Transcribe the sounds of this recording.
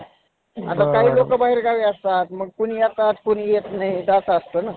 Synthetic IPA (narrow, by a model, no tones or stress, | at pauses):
at̪akaɦiːlokəbaɦiɾɡaʋiːəst̪at̪məɡ̚kunijat̪at̪kunijet̪naɦid̪asəst̪əːna